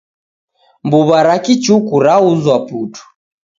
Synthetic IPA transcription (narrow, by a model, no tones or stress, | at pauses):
mbuβaɾakit͡ʃukuɾauzwaputu̥